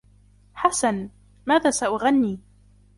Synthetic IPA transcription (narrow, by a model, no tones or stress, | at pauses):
ħasan | maːðaːsaʔʊɣanːiː